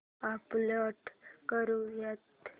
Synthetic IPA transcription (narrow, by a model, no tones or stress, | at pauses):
apləʈkəɾujat̪